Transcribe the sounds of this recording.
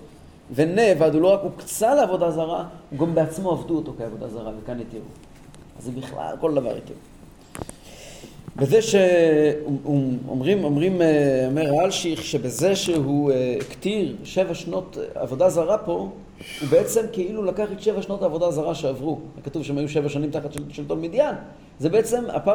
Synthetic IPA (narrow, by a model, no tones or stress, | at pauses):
venevadulo̞ʁakukt͡saleavo̞d̪azaʁauɡambeat͡smo̞avduoto̞keavo̞d̪azaʁavekanit̪iʁṵ | a̰zebiχla̰lko̞ld̪ava̰ʁḭtḭ | beze̞ʃe | uo̰mʁimomʁimameʁalʃiχʃebeze̞ʃeɦuktiʁʃe̞vaʃno̞ta̰vo̞dazaʁapo̞ | ubeet͡se̞mkeilulakaχat̪ʃevaʃno̞taːvo̞dazaʁaʃeavʁuekatuvʃeemajuʃe̞vaʃanimt̪aχatʃʃelt̪ovmidjan | zebeet͡se̞ma̰pa